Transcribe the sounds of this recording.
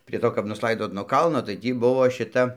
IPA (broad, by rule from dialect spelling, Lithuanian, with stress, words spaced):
pʲrʲiɛ ˈtoː kɐp nʊsˈlˠɐɪdoːt nuɔ ˈkɐlˠnoː tɐɪ ˈtʲiː ˈbʊʋoː ʃʲɪˈtɐ